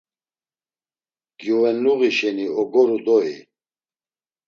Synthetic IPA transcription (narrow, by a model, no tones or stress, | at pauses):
ɡ̥iwɛnuɣiʃɛniɔɡɔɾud̪ɔḭ